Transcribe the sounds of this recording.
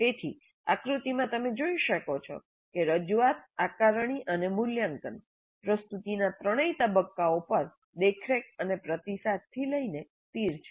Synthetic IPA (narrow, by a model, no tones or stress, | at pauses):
t̪et̪ʰḭ | a̰kɾut̪imãt̪əmed͡ʒoiʃəkot͡ʃʰɔ̰ | keɾəd͡ʒuʋat̪akaɾɳ̃iʔənemuljaŋkən | pɾəst̪ut̪inat̪ɾəɽ̃əit̪əbəkːaopəɾ | d̪ekʰɾek̚ənepɾət̪isad̪̚t̪ʰːiləine | t̪iɾt͡ʃʰe̥